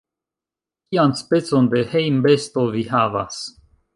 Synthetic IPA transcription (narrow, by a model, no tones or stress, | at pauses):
kianspe̞t͡so̞nde̞hejmbest̪o̞vihava̰s